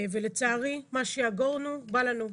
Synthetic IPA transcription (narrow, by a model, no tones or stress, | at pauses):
velet͡saːʁimaʃejaɡoʁnubalanu